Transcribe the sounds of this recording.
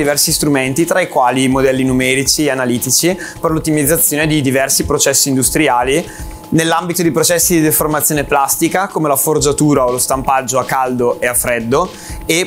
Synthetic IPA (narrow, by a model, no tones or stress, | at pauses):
ivɛrsist̪ɾument̪it̪ɾaikwaːlimod̪ɛlːinumɛːɾit͡ʃianaliːt̪it͡ʃi | perlot̪ːimid̪zːat̪sːjoːned̪id̪ivɛrsipɾot͡ʃɛsːiːnd̪ust̪ɾiaːli | nelːambit̪od̪ipɾot͡ʃɛsːid̪id̪eformat̪sːjoːneplast̪ikakomelaford͡ʒat̪uːɾaolost̪ampad͡ʒːoakːald̪oʔeafːɾɛd̪ːo | e